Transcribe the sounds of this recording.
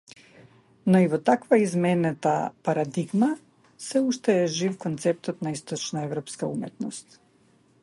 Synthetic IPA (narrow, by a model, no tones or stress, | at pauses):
nɔivɔt̪akvaizmɛnɛt̪a̰paɾad̪iɡma | sɛuʃt̪ɛːʒifkɔnt̪sɛp̚t̪ɔt̪naist̪ɔt͡ʃnaɛvɾɔpskaumɛt̪nɔst̪